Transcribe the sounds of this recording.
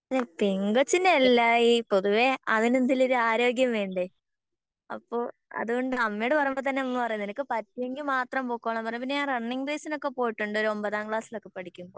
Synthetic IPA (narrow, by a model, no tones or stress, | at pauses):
ɐðepiŋɡot͡ɕːinelːaːjipo̞ðuʋe̞ɐðinend̪iloɾuaːɾo̞ːɡjɐmʋe̞ːɳɖɨ | ɐ̰pːoː | ɐ̰ðuɣo̞ɳɖɨɐmːɐjoɽɨpɐrɐjumbot̪ɐnːenɐmːɐpɐrɐjunːenɐkːɨpɐtːueŋɡilmaːt̪rɐmpoːkːuʋaːɳɐmpɐrɐjmp̬inːeaːnrɐɳːiŋɡreːsino̞kːe̞po̞ːjiʈːuɳɖo̞ɾuo̞mbɐðaːmkɭaːsilo̞kːe̞pɐɽikʲːumo